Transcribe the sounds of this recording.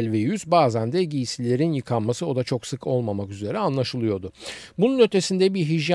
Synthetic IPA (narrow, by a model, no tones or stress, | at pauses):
lʲvejyzbaːzænd̪ɛɟijisilʲe̞ɾinjɯkʰanmasɯo̞d̪at͡ʃʰo̞ksɯkʰo̞lˠmamakyze̞ɾɛanlˠaʃɯlˠɯjo̞d̪ʊbununø̞t̪ʰe̞sind̪ɛbiɦiʒja